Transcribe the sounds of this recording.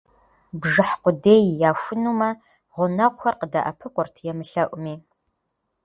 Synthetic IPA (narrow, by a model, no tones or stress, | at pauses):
bʒɨħqʷʊdeːjːaːʃʷʊnuːmɐ | ʁʷʊnɐʁʷʊxɐrqədɐʔɐ̰pʰɨqʷʊrtʰjɛmɨɬɐʔʷʼʊmiː